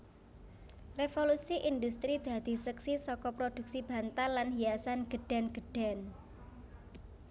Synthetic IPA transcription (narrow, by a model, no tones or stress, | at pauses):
refolusiʔind̪ust̪ɾid̪̥ä̤d̪̥i̤səksisɔkɔpɾod̪̥ṳk̚sib̥ä̤nt̪alːanɦijasanɡ̥ə̤ɖ̥a̤nɡ̥ə̤ɖ̥a̤n